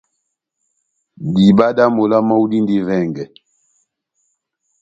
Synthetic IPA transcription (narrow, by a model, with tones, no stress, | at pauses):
di˨ba˦da˦mo˨la˦ma˦u˦di˦ndi˦vɛ˦˨ŋɡɛ˨